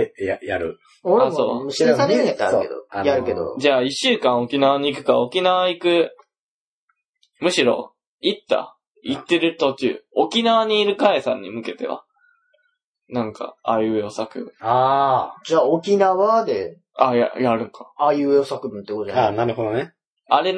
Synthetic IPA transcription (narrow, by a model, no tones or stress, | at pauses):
jajaɾɯ | oɾeasoːmɕesaet̪ːeaɾɯḛd̪o̰ajaɾɯ̟ked̪o̰d͡ʑaːiɕːɨːkãɰ̃o̞kʲinaβaɲ̟iːkɯ̟̥kao̞kʲinaβaikɯ̟ | mɯ̟ɕiɾo̞̰ | it̪ːa̰ | it̪ːe̞ɾɯ̟t̪o̞kʲɨ̰o̞kʲinaβaɲ̟iːɾɯ̟kaesã̰ɲ̟ːḭmɯ̟ke̞t̪e̞̰βa̰ | nãŋka̰ːiɯosakɯ̟bɯ̟̃ad͡ʑaːokʲinaβad̪e | aja̰jaɾɯ̟̃ŋkaajɯosakɯ̟bɯ̟nt̪ːekot̪oaanaɾɯ̟hod̪one | aɾe̞